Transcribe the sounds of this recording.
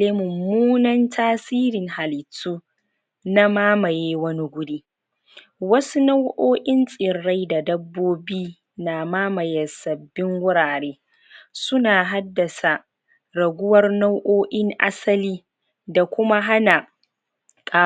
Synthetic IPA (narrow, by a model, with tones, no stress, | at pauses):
eː˦mʊ˨muː˦nɐ˦ntʰaː˦siː˦ɾɪ˨ŋha˨lɪ˨tːuː˦ | na˦maː˦mɐ˨jeː˦wɐ˦ni˦ɡʷʊ˦ɾiː˦ | wɐ˦su˦na˦wʔoː˦ʔɪ˦nsʼɪ˨ɽːa˦jda˨dɐ˦bːoː˦biː˦ | na˨maː˦mɐ˨jɐ˨sɐ˨bːɪ˦ŋɡʊ˦ɽaː˨ɽeː˦ | sʊ˦naː˨ɦa˦dːɐ˨sa˨ | ɾɐ˨ɡʷʊ˦wɐ˦rna˦wʔoː˦ʔɪ˦ŋʔa̰˦sɐ˦liː˦ | da˨kʷʊ˦ma˦ɦa˦na˨ | kʼaː˦